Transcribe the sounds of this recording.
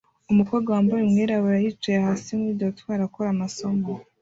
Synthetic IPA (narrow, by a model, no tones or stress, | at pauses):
umukoɡawambojemŋiɾaβuɾajit͡ʃehaːsimwiːɟotwaːɾakoɾamasomo